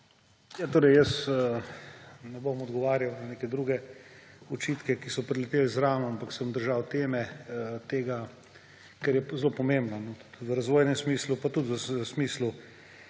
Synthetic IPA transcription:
jat̪oːɾɛjjəsə | nɛbomɔd̪ɡɔʋaːɾjawnanekɛd̪ɾuɡɛ | ɔt͡ʃiːt̪kɛkisɔpɾɛlɛt̪eːlzɾaːmɔampaksəmd̪əɾʒawt̪eːmɛt̪eːɡa | kɛɾjɛzlopɔmembnanɔt̪u̥t̪ʋəɾazʋoːjnɛmsmiːslupat̪ut̪ʋəsmiːslu

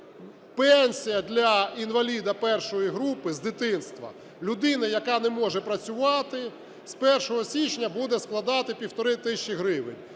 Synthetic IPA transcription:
pɛnʲsʲijɐd̪ʲlʲɐinʋɐlʲid̪ɐpɛrʃɔjiɦɾupɪzd̪ɪt̪ɪnst̪ʋɐ̰ | lʲʊd̪ɪnɐjɐkɑnɛmɔʒɛpɾɐt͡sʲʊʋɑt̪ɪ | spɛrʃɔɦɔsʲit͡ʃnʲɐbud̪ɛsklˠɐd̪ɑt̪ɪpʲiwt̪ɔɾɪt̪ɪʃʲt͡ʃiɦɾɪʋɪ̰nʲ

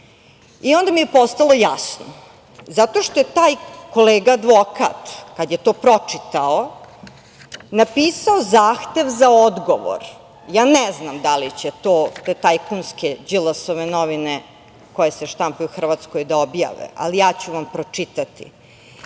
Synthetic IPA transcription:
iond̪amijepo̞st̪alˠo̞jasno | zat̪o̞ʃt̪ojet̪aːjko̞leːɡaːd̪ʋoka̰t̪kad̪jet̪o̞ːpɾo̞t͡ʂit̪ao | napiːsaozaːxt̪e̞ʋzaod̪ɡoʋo̰ɾ | jaːnɛznamd̪alit͡ɕet̪oːet̪ajkunsked͡ʑilasoʋenoʋine | ko̞jeseʃt̪ampeuxr̩ʋat̪skojd̪aobja̰ʋḛa̰lijaːt͡ɕuʋampɾo̞t͡ʂit̪at̪ḭ

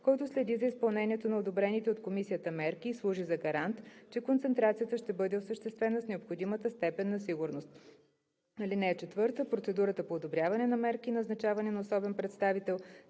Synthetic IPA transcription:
kɔjt̪ʊslɛd̪izəispɐlˠnɛnʲiɛt̪onɐod̪obɾɛnit̪ɛot̪komisijət̪əmɛɾk̟iːslˠuʒizɐɡɐɾant̪t͡ʃɛkont̪sɛnt̪ɾat̪sijət̪əʃt̪ɛbɤd̪ɛosəʃt̪ɛst̪vɛnəsnɛopxod̪imət̪əst̪ɛpɛnːɐsiɡʊɾnost̪̚ | ɐlinɛɛt͡ʃɛt̪vɤɾt̪əpɾot̪sɛd̪uɾət̪əpoːd̪obɾʲjavɐnɛnɐmɛɾkinɐznɐt͡ʃavɐnɛnɐosɔbɛnpɾɛt̪st̪avit̪ɛlˠ

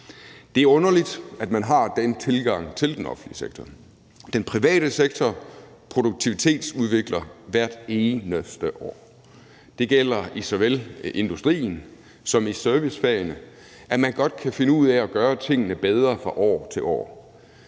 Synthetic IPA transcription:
d̥e̝æɐɔ̽nɐlid̥æd̥mænɦɑ̈d̥ent͡sʰe̝lɡ̥ɑ̈ŋ̰t͡sʰe̝ld̥enɒ̽fn̩liəseɡ̥̚t͡sʰɒ | d̥enpʰʁiʋɛ̰ːɾ̥əseɡ̥̚t͡sʰɒ | pʰʁo̝d̥uɡ̥̚t͡sʰiʋit͡sʰe̝̰ːd̥suð̞ˠʋe̝ɡ̥lɐʋæɐ̰d̥e̝ːnəsd̥əʔɒ̰ː | d̥e̝ɡ̥el̰ɐisɒʋele̝nd̥usd̥ʁḭːn̩ | sɒ̽misøɐʋisfæɐənə | ʔæmænɡ̥ɒ̽d̥̚kʰæfe̝nəuð̞̰ˠæɒ̽ɡ̥ɶːɐt͡sʰe̝ŋ̰ənəb̥eð̞ˠʁɐfʁɑ̈ʔɒ̰ːt͡sʰe̝lʔɒ̰ː

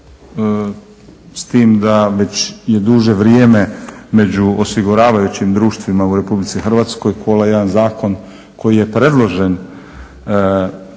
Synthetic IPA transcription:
st̪iːmd̪aʋe̞t͡ɕje̞d̪uʒe̞ʋɾjeːme̞me̞d͡ʑuosiɡuɾaːʋajut͡ɕimd̪ɾuːʃt̪ʋimauɾe̞publit̪sixr̩ʋaːt̪sko̞jkʰolˠaje̞d̪anzaːko̞n | ko̞jije̞pɾe̞d̪lˠo̞ʒe̞n

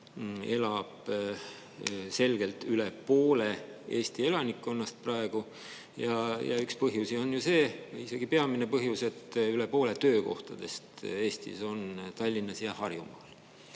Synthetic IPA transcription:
e̞lɑb̥ | se̞lɡ̥e̞lt̪ylepoːle̞e̞ːst̪ie̞lɑnikːˑo̞nːɑst̪̚prɑe̞ɡ̥u | jɑjɑ̰ykspɤɦjusio̞njuse̞ːise̞ɡ̥ipe̞ɑmine̞pɤɦjuse̞t̪ːyle̞po̞ːle̞t̪ø̞ːko̞̰ht̪ɑd̪̥e̞st̪e̞ːst̪ḭso̞nt̪ɑlʲːinːɑsjɑhɑrjumɑ̰ːl

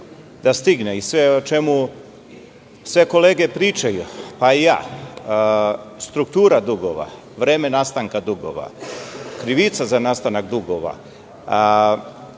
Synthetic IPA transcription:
d̪ast̪iɡneisʋeot͡ʃe̞mu | sʋe̞ko̞leːɡe̞pɾiːt͡ʃajupaija̰ː | st̪ɾukt̪uːɾad̪uɡo̰ʋa̰ | ʋɾeːmenast̪aŋkad̪uɡo̰ʋa̰kɾiʋit̪sazanast̪anak̚d̪uɡoʋa̰

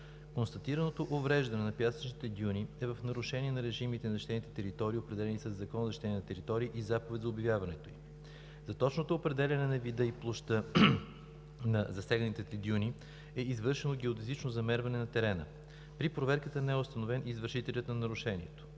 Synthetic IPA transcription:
konst̪ɐt̪iɾɐnot̪oʔovɾɛʒd̪ɐnɛnɐpʲjasɐ̥t͡ʃnit̪ɛd̪iuniɛvəfnɐɾʊʃɛniɛnɐɾɛʒimit̪ɛnɐɐʃt̪ɛnit̪ɛt̪ɛɾit̪ɔɾiːopɾɛd̪ɛlɛnisɐzːɐkɔnzɐʃt̪ɛniɛt̪ɛɾit̪ɔɾiːʔizapovɛt̪ʲzɐobʲivjavɐnɛt̪oim | zɐt̪ɔt͡ʃnot̪oːpɾɛd̪ɛlʲɐnɛnɐvid̪əiplˠoʃt̪ə | nɐzɐsɛɡnənit̪ɛt̪ɛd̪iunʲi | ɛizvɤɾʃɛnoɡɛod̪izit͡ʃnozɐmɛɾvɐnɛnɐt̪ɛɾɛnə̰ | pɾipɾovɛɾkət̪ənɛɛʊst̪ɐnovɛnizvəɾʃit̪ɛlʲət̪nɐnɐɾʊʃɛnʲiɛt̪o̥

